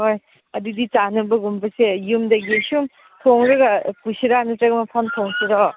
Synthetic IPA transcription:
ɦoj | ɐdidit͡ʃanɯbɐɡumpɐsejumdɐɡisum | tʰoŋɾɐɡɐpusiɾanɯtɾɐɡmɐpʰanpʰoŋsiɾɔ

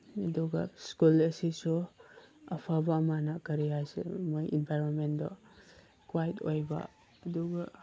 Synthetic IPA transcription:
ɐduɡɐ̰skulɐsisu | ɐpʰabɐːmanakɐɾijajsḛmojinpʰajɾonmendɔ | kwajtʰojbɐ̰ | ɐduɡɐ

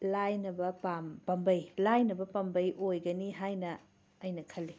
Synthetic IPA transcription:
lajnɐbɐpampɐmbɐjlajnɐbɐpɐmbɐjʔojɡɐniɦajnɐː | ɐjnɐkʰɐlːi

